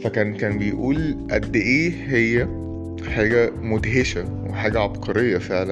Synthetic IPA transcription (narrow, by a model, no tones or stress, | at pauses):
fækæːnkæːnbejʔuːlʔæd̪ːʔeːɦejːæ | ħaːɡæmod̪ɦeʃæweħaːɡæʕɑbqʰɑɾejːɑfeʕlæ